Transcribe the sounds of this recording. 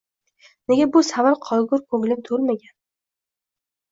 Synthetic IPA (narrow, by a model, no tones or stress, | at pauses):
neɡʲabʊsavaɾqʰɒlɡʊɾkʰɵŋlɪnt̪ʰolmaɡʲan